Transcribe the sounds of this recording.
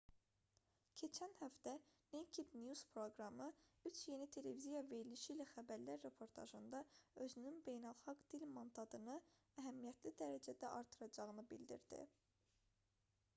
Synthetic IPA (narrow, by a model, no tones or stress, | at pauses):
cʰe̞t͡ʃʰænhæft̪ænetʰibnjuz̥pʰɾo̞ɡɾɑmɯyt͡ʃʰje̞nit̪ʰe̞le̞vizijɑve̞ɾiliʃiːlæxæbæɾlæɾːe̞pʰo̞ɾt̪ʰɑ̰ʒɯnd̪ɑø̞zynynbe̞jnælˠχɑɡd̪̥ilmont̪ʰɑd̪ɯnɯ | æɦæmijæt̪ʰlid̪æɾæd͡ʒæd̪æʔɑɾt̪ʰɯɾɑd͡ʒɑɣɯnɯbild̪ḭɾd̪̥ḭ